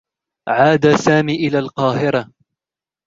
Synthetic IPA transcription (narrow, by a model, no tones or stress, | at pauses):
ʕaːd̪aːsaːmiːʔɪlaːlqɑːɦɪɾa